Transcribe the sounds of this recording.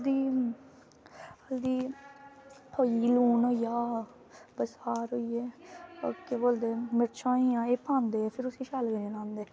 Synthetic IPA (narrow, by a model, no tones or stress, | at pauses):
d̪iː | əld̪iː | hʰoːiːluːnojaː | bəshaːɾoːiːeːokeboːld̪eːmɪɾt͡ʃʰãːiãːeːpʰãːnd̪eːpʰɪɾʊsĩːʃaːlɡəẽːnãːnd̪eː